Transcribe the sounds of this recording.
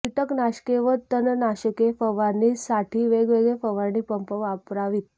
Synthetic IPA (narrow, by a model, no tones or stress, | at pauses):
iʈəknaɕkeʋət̪ːənənaɕəkefəʋanisaʈʰiːʋeɡʋeɡɭefəʋaniːpəmpəʋapɾaʋit̪̚